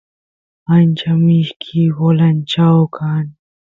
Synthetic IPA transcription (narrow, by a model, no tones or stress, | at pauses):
ant͡ʃamɪʃkʰiwolant͡ʃawkʰan